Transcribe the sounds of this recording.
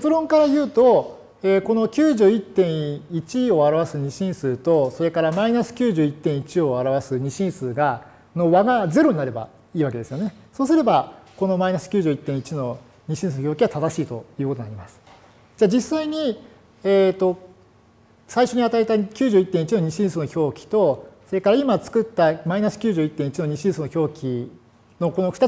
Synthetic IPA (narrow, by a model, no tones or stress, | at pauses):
et͡sɨɾõ̞ŋkaɾajɯ̟ːt̪o̞ | eːko̞no̞kʲɨːʑɨːit̪ːẽ̞ɰ̃it͡ɕio̞aɾaβasɨɲ̟iɕĩɰ̃sɨːt̪o̞so̞ɾe̞kaɾamainasɨ̥kʲɨːʑɨːit̪ːẽɰ̃it͡ɕio̞aɾaβasɨɲ̟iɕĩɰ̃sɨːɡa | noβaɡaze̞ɾo̞ɲ̟inaɾe̞ba̰ | iːβake̞d̪e̞sɨjo̞ne̞soːs̬ɨɾe̞bako̞no̞mainasɨ̥kʲɨːʑɨːit̪ːẽit͡ɕino̞ | ɲ̟iɕĩs̬ɨnoçʲo̞ːkʲiβat̪ad̪aɕiːt̪o̞̰jiɯ̟ːko̞t̪onaɾimasɨ̥ | d͡ʑaːd͡ʑisaiɲ̟i | eːt̪ːo̞ | saiɕo̞ɲ̟iat̪ait̪akʲɨːʑɨːit̪ːẽit͡ɕinoɲ̟iɕĩɰ̃sɨnoçʲo̞ːkʲi̥t̪o̞so̞ɾe̞kaɾaimat͡sɨ̥kɯ̟t̪ːamainasɨ̥kʲɨːʑɨːit̪ːẽ̞it͡ɕino̞ɲ̟iɕĩɰ̃sɨːnoçʲo̞ːkʲi | no̞ko̞no̞ɸɯ̥t̪a